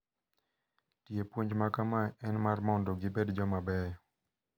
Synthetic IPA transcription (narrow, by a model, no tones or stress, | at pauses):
tjepwoɲd͡ʒmakamaɛnmarmɔndɔɡɪbedd͡ʒɔmabɛ